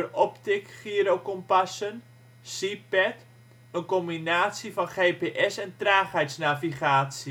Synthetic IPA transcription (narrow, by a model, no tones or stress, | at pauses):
ərɔptɪkχiəɾokɔmpasən | sipɛt | ənkombinaːtsifɔnχeːpeːʔɛsɛntraːχɛjtsnaviχaːsi